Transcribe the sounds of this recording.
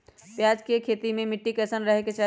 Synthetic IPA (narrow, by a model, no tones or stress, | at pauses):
pjaːd͡ʒkekʰeːt̪imẽmɪʈːikɛːsənɾəɦeket͡ʃa